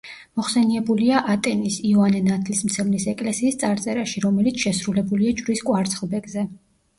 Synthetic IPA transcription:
mɔχsɛniɛbuliaʔat̪ʼɛnisiɔanɛnat̪ʰlismt̪sʰɛvnisɛkʼlɛsiːst̪sʼaɾt̪sʼɛɾaʃiɾɔmɛlit̪sʰʃɛsɾulɛbuliat͡ʃʼvɾiskʼwaɾt̪sʰχlˠbɛɡzɛ

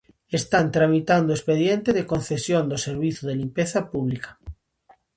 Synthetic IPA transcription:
est̪ant̪ɾamit̪and̪oespeðjent̪eðekõnθesjond̪oseɾβiθoðelimpeθapuβlikḁ

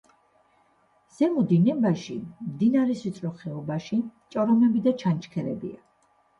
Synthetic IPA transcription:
z̥ɛmud̪inɛbaʃḭmd̪inaɾɛsit̪sʼɾɔχɛɔbaʃit͡ʃʼɔɾɔmɛbid̪at͡ʃʰant͡ʃʰkʰɛɾɛbḭa

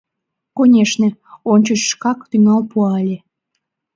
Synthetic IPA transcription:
konʲeʃneonʲt͡ɕəʃːkɑkt̪yŋɑlpuɑlʲe

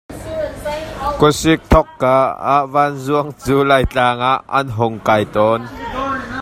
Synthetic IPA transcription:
kʊsɪk̚t̪ʰɔkːaːaʔvanzuəŋt͡suːlajt͡ɬaːŋaʔɐ̰nɦʊŋkajt̪ɔːn

